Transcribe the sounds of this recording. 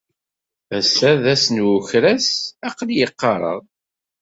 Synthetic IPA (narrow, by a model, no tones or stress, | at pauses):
æsæðæsnwʊçɾæsɑqljəqːɑɾˤə̰ʁ